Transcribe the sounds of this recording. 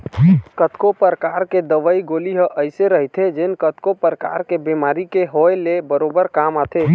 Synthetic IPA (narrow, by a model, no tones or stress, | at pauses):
kət̪kopəɾəkaɾked̪əʋəiɡoliɦəʔəjseɾəɦit̪ʰed͡ʒenkət̪kopəɾəka̰ɾkebemaɾikeɦoelebəɾobəɾkamat̪ʰe